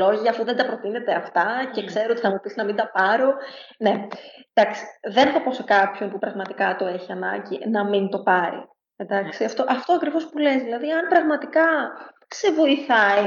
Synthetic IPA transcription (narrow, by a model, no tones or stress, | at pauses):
o̞ʝiɐːfuðend̪ɐpɾo̞t̪ine̞t̪eɐft̪ɐce̞kse̞ɾoot̪iθɐmupisinɐmind̪ɐpɐɾo̞ne̞d̪ɐksi̥ðe̞nθɐpo̞se̞kɐpço̞npupɾɐɣmɐt̪ikɐt̪o̞eçiɐnɐ̰ɲɟinɐmint̪o̞pɐɾḭ | end̪ɐksiɐft̪o̞ʔɐft̪o̞ɐkɾivo̞spule̞zðilɐðiɐnpɾɐɣmɐt̪ikɐ | se̞vo̞iθɐi